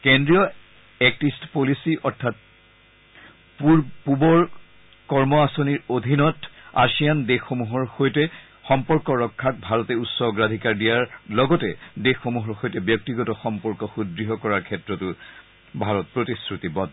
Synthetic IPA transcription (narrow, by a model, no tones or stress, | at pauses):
kendɹijɔ | ɛk̚tistpolisiʔɔɹtʰat̚ | puɹpubɔɹ | kɔɹmɔasoniɹodʱinɔta̰sijandexomuɦɔɹxojtɛ | xɔmpɔɹkɔɹɔkʰːak̚bʱaɹɔtɛutsɔɡɹadʱikaɹdijaɹlɔɡɔtɛdexːomuɦɔɹxojtɛbjɔk̚tiɡɔtɔxɔmpɔɹkɔxudɹiɦɔkɔɹaɹkʰɛtɹɔtʊ | bʱaɹɔt̚pɹotisɹutibɔd